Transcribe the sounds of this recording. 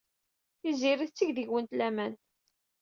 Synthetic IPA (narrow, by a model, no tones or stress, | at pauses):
iziɾiθt͡sːiʝðiʝwənt̪læmæn